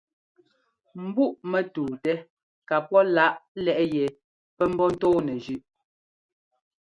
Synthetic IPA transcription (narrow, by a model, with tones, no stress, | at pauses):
m̩˨bu˦˨ʔmɛ˨tuː˨tɛ˦ | ka˨pɔ˦la˦ʔlɛ˦˨ʔjɛ˨ | pɛ˦m̩˦bɔ˦n̩˦tɔː˦nɛ˨d͡ʒʉ˦˨ʔ